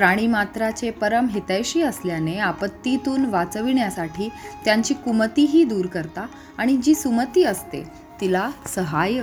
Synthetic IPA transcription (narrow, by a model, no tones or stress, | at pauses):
pɾaɽ̃iːmat̪ɾat͡ɕepəɾəmɦet̪ajɕiːəsljaneapət̪ːit̪uːnʋat͡səʋiɳjasaʈʰiːt̪jaɲt͡ɕiːkumət̪iːɦiːd̪uːɾkəɾt̪aː | ɽ̃id͡ʑiːsumət̪iːəst̪ḛ | t̪ilasəɦaj